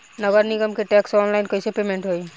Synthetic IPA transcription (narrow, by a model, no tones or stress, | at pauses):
nɔɡɔɾniɡɔmkeʈɛksɔnlajnkojsɛpemɛnʈɦoj